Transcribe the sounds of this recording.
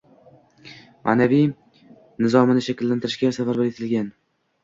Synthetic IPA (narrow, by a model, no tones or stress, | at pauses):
mʔa̰ːnavij | nɪzɒmɪnɪʃakʲlːant̪ʰɪɾɪʃɡʲasavaɾbaɾet̪ʰɪlɡʲan